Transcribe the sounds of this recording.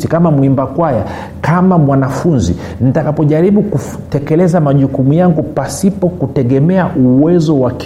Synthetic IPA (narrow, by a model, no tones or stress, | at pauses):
ikamamwimbakwaja | kamamwanafunzḭ | nitakapɔʄaɾiɓuku | tɛkɛlɛzamaʄukumujaŋɡupasipɔkutɛɠɛmɛaʔuwɛzɔwak